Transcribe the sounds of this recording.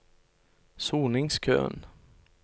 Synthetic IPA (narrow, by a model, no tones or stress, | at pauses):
suːnɪŋskʰø̰ːn